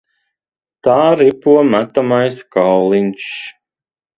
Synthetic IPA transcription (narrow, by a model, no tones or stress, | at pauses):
t̪aːɾipuɔmæt̪amajskawlˠint͡ʃ